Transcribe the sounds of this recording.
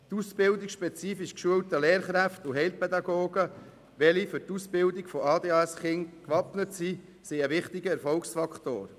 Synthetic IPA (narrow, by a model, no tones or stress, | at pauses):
t̪usbɪldikʃpɛt͡siːfiʃkʃuəwtəleːɾχɾæftuɦɛɪlpʰɛd̪ɑɡoːɡə | ʋɛlifʏɾtuspɪldikfɔɑːd̪eːɑɛsχɪŋkʋɑpnətsi | siəʋɪχtɪɡəɛɾfɔlksfɑkχt̪o̰ːɾ